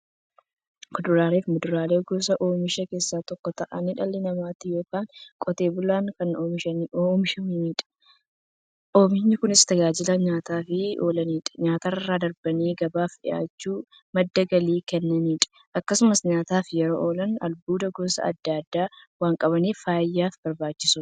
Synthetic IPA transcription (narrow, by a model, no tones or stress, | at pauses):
kʊd̪ʊɾaːleːfmʊd̪ʊɾaːleːɡoːsɐʔoːmɪʃɐke̞ːsːaːt̪ɔkːɔt̪ɐʔɐniᶑɐlːɪnɐmaːt̪ɪjo̞ːkaːŋkʼɔt̪e̞ːbʊlaːŋkɐnoːmʃɐnomɪʃɐniːᶑɐ̥ | ʔoːmɪɲːɪkʊnɪst̪ɐɡaːd͡ʒɪlɐɲaːt̪aːfɪoːlɐniːᶑɐ̥ɲaːt̪aːɐrːaːd̪ɐɾbɐniːɡɐbaːfᶑɪ̰ʔa̰ːt͡ʃːuː | mɐd̪ːɐɡɐliːkɛnːɐniːᶑɐ̥ | ʔɐkːɐsʊmɐsɲaːt̪aːfjɛɾoːʔoːlɐnɐ̰lbuːd̪ɐɡoːsɐ̰ɐ̰d̪ːaːd̪ːaː | waːŋkʼɐβɐniːfaːjːaːfbɐɾbaːt͡ʃːɪsʊ